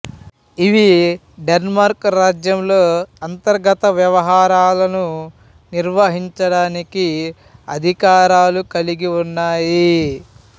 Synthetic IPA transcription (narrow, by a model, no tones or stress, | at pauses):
iʋi | ɖenmaːɾkɾaːd͡ʒjɐmloːɐnt̪ɐɾɡɐt̪ɐʋjɐʋɐɦaːɾaːlɐnu | niɾʋɐɦiɲt͡ʃɐɽaːniki | ɐ̰d̪ʱikaːɾaːlukɐliɡiunːaːji